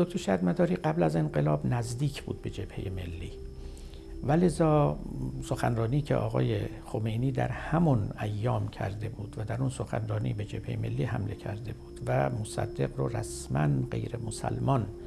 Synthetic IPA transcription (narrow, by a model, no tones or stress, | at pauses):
zok̚ʲt̪ʰoʃæd̪mæd̪ɒːɾiːɢæblæze̞nɢe̞lɒːbnæzd̪iːkʰb̥ṵːd̪̚be̞d͡ʒe̞b̥he̞jeme̞̰lːiː | væle̞zɒːsoxænrɒːniːcʰḛʔɒ̰ːɣɒ̰ːje | xome̞jniːd̪æ̰ɾhæmɔnæjːɒːmcʰæ̰ɾd̪e̞buːd̪̥væd̪æɾunsoxæ̰nrɒːnḭbe̞d͡ʒe̞b̥hejeme̞̰lːiːhæ̰mle̞̰cʰæɾd̪e̞buːd̪̥væmosæ̰d̪ːe̞qɾoræ̰smænɢe̞̰jɾemosæ̰lmɒn